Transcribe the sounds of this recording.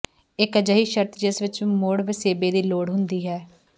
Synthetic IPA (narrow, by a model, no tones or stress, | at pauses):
ɪkəd͡ʒəɦiːʃəɾt̪d͡ʒəsʋɪt͡ʃmoːɽʋeseːbeːd̪iːloːɽɦʊnd̪iːɦɛː